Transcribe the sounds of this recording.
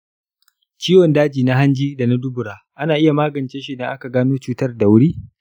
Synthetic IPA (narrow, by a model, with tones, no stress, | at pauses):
t͡ʃiː˦wɔ˨ndaː˦d͡ʒiː˨na˦ɦa˦nd͡ʒiː˦da˨na˦dʊ˦bʊ˨ɽaː˨ʔa˦naː˨ʔɪ˦ja˨maː˦ɡɐ˨nt͡ʃeː˦ʃi˦da˨ŋʔa˦ka˨ɡaː˦noː˦t͡ʃuː˦tɐ˦rda˨wʊ˦ɽiː˦